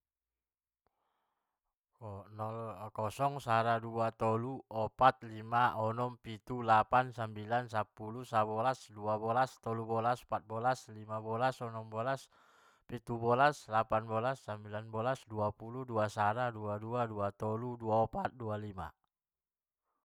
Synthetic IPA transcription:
nɔlkɔsɔŋsaɾaduat̪ɔluɔpat̪̚limaʔɔnɔmpit̪ulapansambilansapulusabɔlasduabɔlast̪ɔlubɔlaspat̪̚bɔlaslimabɔlasɔnɔmbɔlas | pit̪ubɔlaslapanbɔlasːambilanbɔlasduapuluduasaɾaduaduaduat̪ɔluduaɔpat̪̚dualima̰

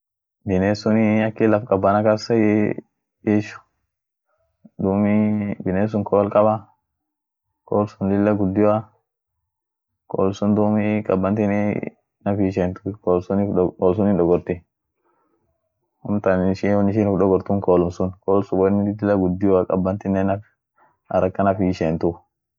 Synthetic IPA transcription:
bɪneːsʊniɐkːɪlɐfkʼɐbːɐnakɐsɐj | iʃʊ̥ | d̪uːmibɪneːs̬ʊŋkʰoːlkʼɐba | kʰoːlsʊnlɪlːɐɡʊd̪ːɪjwa | ko̰ːlʊmsʊnd̪uːmikʼɐbːɐnt̪ini | nɐfiʃeːnt̪ʊkoːlsʊnɪoːls̬ʊnɪᶑɔɡɔɾt̪ɪ | hʊmt̪ɐnɪʃiwɔnɪʃ̬inɪfᶑɔɡɔɾt̪ʊŋkoːlʊmsʊnkoːlsʊɔnlɪlːɐɡʊd̪ːɪjakʼɐbːɐnt̪ɪnːɛnɐf | ɐ̰ɾɐkːɐnɐfiʃeːnt̪ʊ

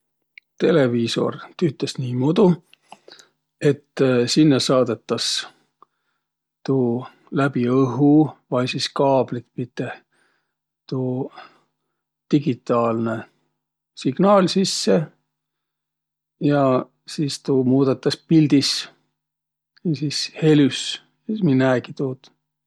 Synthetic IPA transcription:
t̪e̞le̞viːso̞̰rt̪yt̪ːˑesniːmud̪u | e̞t̪ːsinːesɑːd̪̥e̞t̪ːˑɑs | t̪uː | læb̥iɤɦuvɑjsiskɑːb̥lit̪pit̪ːˑe | t̪uː | t̪iɡit̪ˑːɑːlne | siɡ̥nɑːlsisːe̞ | jɑ | siːst̪uːmuːd̪̥ɑt̪ːˑɑspilʲd̪is | isiːshe̞lys | eminːæːɡit̪uːt̪

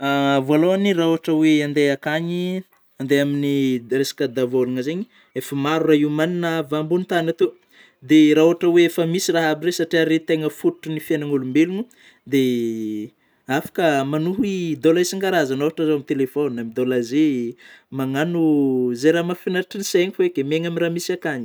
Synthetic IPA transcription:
avaloaniraoaʈ͡ʂəweand̪eakaɲi | and̪eaminiresḁkəd̪avoluŋəzeɲi | efəmaɾuraɦiwmaninəvambunit̪anat̪u | d̪eɾaoaʈ͡ʂəweefəmisiraɦabiɾesaʈ͡ʂiaɾet̪eŋəfuuʈ͡ʂunifjanaŋulumbelunu | d̪e | afḁkəmanuɦid̪olaisiŋɡaɾazanovaʈ͡ʂəzoamit̪elefonamid̪olazemaŋanuzeɾamafinaɾʈ͡ʂiniseɲifoekʲemeŋaminramisiakaɲi̥

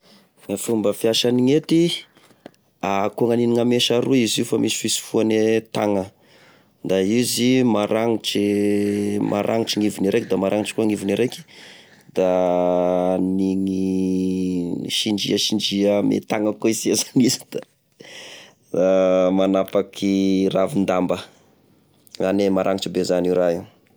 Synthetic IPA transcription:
ŋafumbəfiaʃaniŋet̪i | akuaŋaniniŋameʃaɾuiziufamʔisi̥fisi̥fuanet̪aŋə | nd̪aizimaɾʔaŋiʈ͡ʂi | mʔa̰ɾʔa̰ŋiʈ͡ʂiŋivuniɾʔekd̪amaɾʔaŋiʈ͡ʂkuaŋivuniɾeki̥ | d̪̥a | niŋi | ʃiɳɖ͡ʐḭəʃiɳɖ͡ʐiəmḛt̪aŋəkoiziazanizid̪̥a | damanapakʰiravind̪ambə | anemaɾʔaŋiʈ͡ʂibezaniɾai

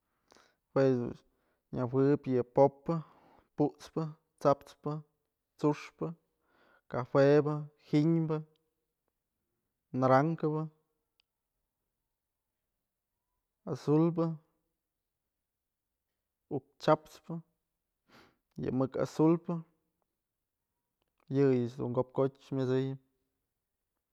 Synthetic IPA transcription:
hwesd̪ṵ | ɲawɨpjɨpopːɨ | puʔt͡spɨ | t͡sap̚t͡spɨ | t͡suʂpɨ | kahebɨhiɲbɨ | naɾaŋkɨbɨ | asulb̬ɨ | uk̚t͡ʃapt͡spɨ | jɨ̰mɨka̰sulpɨ | jɨjɨt͡ʃd̪ṵŋɡop̚kot͡ʃmʲɨzɨjɨ

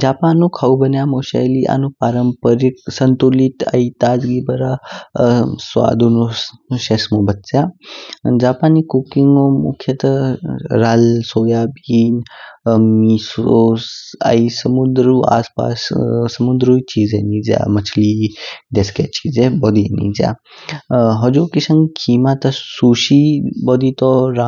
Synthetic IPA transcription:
d͡ʒaːpaːnːũkʰaubənjamoʃa̰jliʔa̰nũpaːɾəmpəɾik̚sənt̪ulit̪a̰it̪aːd͡ʒɡibəɾa | sʋa̰ːd̪unuʃesmobət͡sja | d͡ʒaːpaːnikukiŋɡõmṵkʰjɐt̪əɾaːlsoːjaːbiːn | misosa̰isɐmud̪ɾuːa̰ːspa̰ːssɐmud̪ɾuit͡ʃiːzenid͡ʒa̰mɐt͡ʃʰlid̪esket͡ʃiːzebɔd̪inḭd͡ʒa̰ | ɦɔd͡ʒuːkisɐ̃ŋɡkʰiːmat̪ɐsuːʃibɔd̪it̪ɔɾa

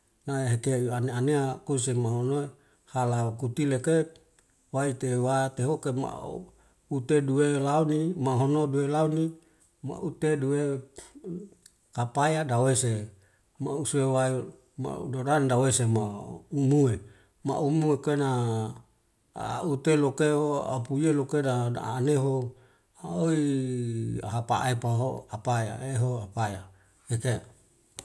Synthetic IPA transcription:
naeɦet̪euaneaneakosemaɦonoe | halakut̪ileke | wait̪ewat̪eɦokema̰ | ut̪eduelaunimaɦonoduelauni | ma̰ʔut̪edue | kapajadawese | mausuewae | ma̰dodandawesemaumue | ma̰ʔumuekena | ut̪elokeoa̰pujelokedaa̰ːneɦo | aoi | a̰ɦapa̰ʔepaɦo̰apaja̰eɦoapaja | eke

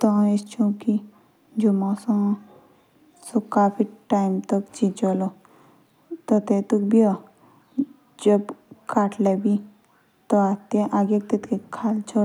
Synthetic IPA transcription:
t̪ɔest͡ʃʰũːki | d͡ʒumãsɔ̃ | sokaːpʰiʈaːimt̪əkt͡ʃĩt͡ʃɔlo | t̪ɔt̪et̪uk̚bia | d͡ʒəbkaːʈʰlebi | t̪ɔat̪ẽʔaːɡek̚t̪et̪kekʰaːlt͡ʃʰo

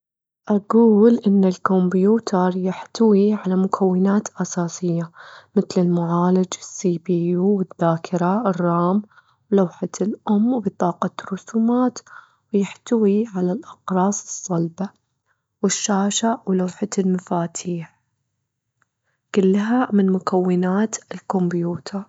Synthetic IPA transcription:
ʔaɡuːlʔɪnːalkombjuːt̪ʰɑɾˤjɪħt̪awiʕalamʊkʰawːɪnaːt̪ʔɑsaːsɪjːamɪt̪lɪlmʊʕaːlad͡ʒɪsːiːbiːjuːwɪðːaːkʰɪɾˤɑrˤːɑːm | wlawħalʔʊmːbɨt̪ˤɑːqɑrˤːʊsuːmaːt̪ | wjɪħt̪awiʕalalʔɑqɾˤɑːsˤɨ̥sˤːɑlba | wɪʃːaːʃaʕwlawħalmafaːt̪ʰiːħ | kʊlːɦamɪnmʊkʰawːɪnaːt̪ɪlkʊmbjuːt̪ʰɑɾˤ

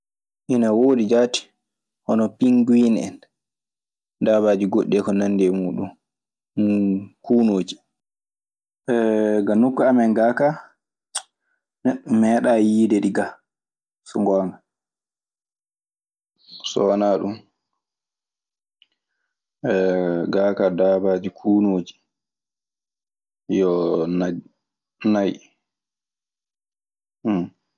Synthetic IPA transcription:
ʔinawoːdid͡ʒaːti̥ | hɔnɔpiŋɡwinɛ̰n | daβaːd͡ʒiɡoɗːɛkɔnanːdɛmuːɗun | kuːnoːd͡ʒi̥ | ɛɡanːokːuamɛŋɡaːka | neɗːummɛɗajiːdɛdiɡa | sɔŋɡɔna | sɔnaɗum | ʔɛɡaːkadaːbad͡ʒikʰuːnoːd͡ʒi̥ | jɔn | naj | m

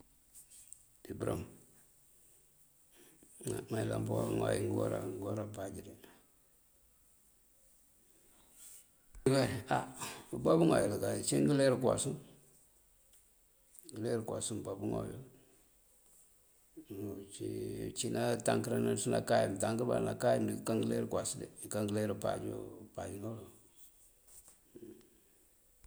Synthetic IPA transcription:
dibuɾam | amailamboŋajḭŋɡo̰ɾa̰ŋɡoɾapad͡ʒiɾi | ɡaaubabuŋa̰jolaɡat͡ʃiŋɡileɾkwa̰sun | ɡəleɾka̰sumbabuŋo̰jo̰ | t͡ʃit͡ʃinataŋkɾanasuna̰kajimtaŋkəɾba̰ɾnakajimdikaŋɡəleɾkwasidekaŋɡleɾupa̰d͡ʒ̰pad͡ʒinolo

